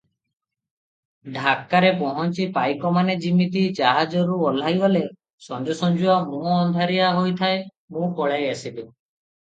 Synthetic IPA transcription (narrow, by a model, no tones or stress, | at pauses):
ɖʱakːaɾepɔɦɔnt͡ʃipajkɔmaned͡ʒimit̪̬id͡ʒaɦad͡ʒɔɾuɔl̤ajbɔle | sɔnd͡ʒɔsɔnd͡ʒuamũɔnd̪ʱaɾiaɦojt̪ʰae | mũkɔɭajasib̪i